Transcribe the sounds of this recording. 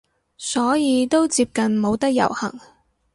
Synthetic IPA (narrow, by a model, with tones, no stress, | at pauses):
sɔː˨˥jiː˨˧t̪o˥wt͡siː˧p̚kɐ˨nmo˨˧wt̪ɐ˥k̚jɐ̰˨˩whɐ̰˨˩ŋ